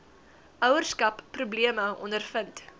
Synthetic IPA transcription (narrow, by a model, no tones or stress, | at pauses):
ʔœwərskɐpːrubliəməɔ̰ndərfənt